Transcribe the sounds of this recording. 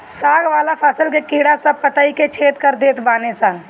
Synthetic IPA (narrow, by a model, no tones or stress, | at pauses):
saːɡʋaːlapʰaːsəlkekiːɽasɐb̚pɐt̪aːiket͡ʃʰeːt̪kəɾd̪eːt̪ʰbaːnesaː